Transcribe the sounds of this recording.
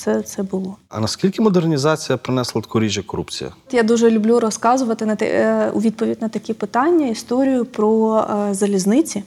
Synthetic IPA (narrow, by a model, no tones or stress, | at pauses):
t̪sɛt̪sɛbʊlˠɔɐ̰nɐskʲilʲkʲɪmɔd̪ernʲizɑt͡sʲijɐpɾɪnɛslˠɐt̪kʰɔɾʲiʒʲjɐkɔɾupt͡sʲḭjɐ̰jad̪uʒɛlʲʊblʲuɾɔskɑzʊʋɐt̪ɪnɐt̪ɛ̰ʊ̰ʋʲid̪̚pɔʋʲidʲnɐt̪ɐkʲɛpɪt̪ɑnʲːɐist̪ɔɾʲijʊpɾɔzɐlʲiznɪt͡sʲi